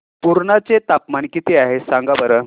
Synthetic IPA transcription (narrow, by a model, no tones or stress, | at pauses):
puɾɳat͡set̪apmankit̪eaɦesãŋɡabəɾə